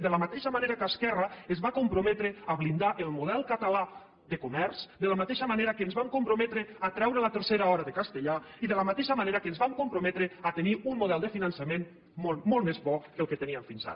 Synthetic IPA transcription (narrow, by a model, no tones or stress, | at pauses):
d̪ələmat̪eʃəmaneɾakaskɛrəəzβakumpɾumɛt̪ɾəaβlind̪aʔelˠmuð̞ɛlˠkət̪ala | ðəkumɛɾsd̪ələmat̪eʃəmaneɾakənzβamkumpɾomɛt̪ɾəat̪ɾɛwɾələt̪əɾseɾaɔɾaðəkast̪əʎaiðələmat̪eʃəmaneɾakəːnzβamkumpɾomɛt̪ɾeat̪eniummuðɛlˠd̪əfinansəmen | momɔlˠmezβɔkəlˠkət̪əniəmfinza̰ɾ